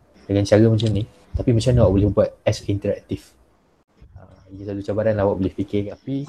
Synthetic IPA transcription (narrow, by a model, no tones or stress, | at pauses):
dəŋãnt͡ʃaɾəmə̃t͡ʃamni | t̪apimə̃t͡ʃamnwaʔbolɛhəbuat̪̚ɛsint̪əɾa̰k̚t̪if | ə | iɡasat̪ut͡ʃabaɾanlahwa̰ʔbolɪhpikɪt̪api